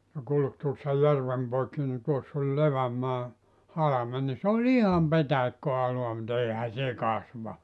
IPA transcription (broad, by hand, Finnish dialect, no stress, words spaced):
ne kulk tuosːɑ jærʋem poikːi ni tuosː olʲ leʋæmːɑː hɑlɑmen ni sĕ olʲ ihɑm petæikːøɑloɑ mut eĭhæ se kɑsʋɑ